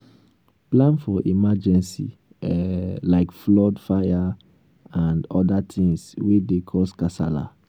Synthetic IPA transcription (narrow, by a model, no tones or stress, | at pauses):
plãnfɔʔimad͡ʒɛ̃nsḭ | ɛlaɪkflɔdfaja | ãndɔdatʰĩŋswidekʰɔskasa̰la̰